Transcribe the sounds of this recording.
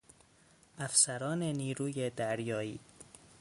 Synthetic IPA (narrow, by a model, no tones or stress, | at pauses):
ʔæfsæɾɒːne̞niːɾuːjed̪æɾjɒːiː